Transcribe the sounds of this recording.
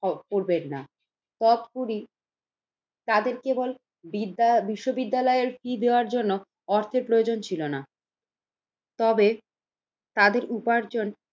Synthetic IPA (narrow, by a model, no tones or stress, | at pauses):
poɾbenːa̰ | t̪ɔt̪kuɾi | t̪ad̪eɾkebol | biʃːobid̪ːalɔeeɾfɾid̪eoaɾd͡ʑonːo | ɔɾt̪ʰeɾpɾojod͡ʑont͡ɕʰilona | t̪ɔbe | t̪ad̪eɾʔupaɾd͡ʑon